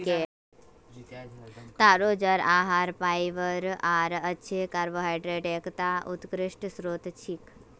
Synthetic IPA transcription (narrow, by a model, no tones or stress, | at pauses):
ke | t̪aːɾoːd͡ʒəɾaːɦaːɾpaːjʋəɾaːɾəːt͡ʃʰekaɾboːɦajɖɾeʈeːkʰt̪aʔut̪kɾɪʂʈsɾoːt̪t͡ʃʰik